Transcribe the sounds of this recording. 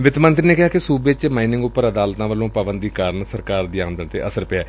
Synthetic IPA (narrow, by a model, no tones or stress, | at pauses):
ʋɪt̪mə̃nt̪ɾiːneːkɪɦaːkɪsuːbet͡ʃmaːinɪ̃ŋɡʊpːəɾəd̪aːlt̪ãːʋəlõːpəʋənd̪iːkaːɾənsəɾkaːɾd̪iːãːnd̪ənt̪ḛːʔəsəɾpeaː